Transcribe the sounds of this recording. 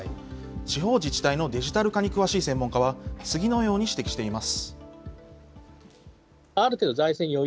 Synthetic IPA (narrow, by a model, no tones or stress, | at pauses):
t͡ɕiɦo̞ːd͡ʑit͡ɕi̥t̪aino̞d̪e̞ʑit̪aɾɯ̟kaɲ̟ikɯ̟βaɕiːsẽ̞mːõ̞ŋkaβat͡sɨɡʲino̞jo̞ːɲ̟iɕi̥t̪ekʲi̥ɕi̥t̪e̞imasɨ̥ | aɾɯ̟t̪eːd̪o̞zaisẽ̞ɲ̟ːio